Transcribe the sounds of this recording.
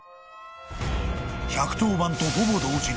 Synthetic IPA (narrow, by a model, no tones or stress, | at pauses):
çakɯ̟̥t̪oːbãnt̪oɦobod̪oːɕi